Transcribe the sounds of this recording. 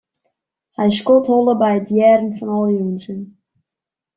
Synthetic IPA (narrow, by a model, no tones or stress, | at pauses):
hɛjs̬kɔthɔlˠəbɛjətjɛːrn̩fɔnɔlˠjunsən